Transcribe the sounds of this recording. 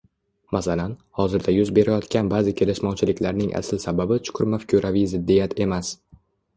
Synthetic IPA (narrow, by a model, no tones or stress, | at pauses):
masalanhɒzɪɾd̪ajʊzbe̞ɾajɒt̪kʲanbaːzɪkʲʰe̞lɪʃmɒwt͡ʃʰɪlɪkʲʰlaɾnɪŋʔa̰sɪlsababɪt͡ʃʰʊ̥qʰʊɾmafkʲʰuɾʔavijzɪd̪ːijat̪ʰe̞mas